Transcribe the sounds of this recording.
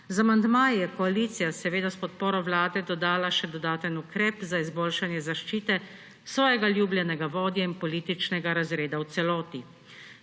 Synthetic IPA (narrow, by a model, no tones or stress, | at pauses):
zamand̪maːjjɛkɔaliːt̪sijasɛʋeːd̪aspɔt̪̚poːɾɔwlaːd̪ɛd̪ɔd̪aːlaʃɛd̪ɔd̪aːt̪ənukɾɛːpzaizboːlʃanjɛzaʃt͡ʃiːt̪ɛ | sʋɔːjɛɡaljuːbljɛnɛɡaʋɔːd̪jainpɔliːt̪it͡ʃnɛɡaɾazɾeːd̪awt̪sɛlɔːt̪i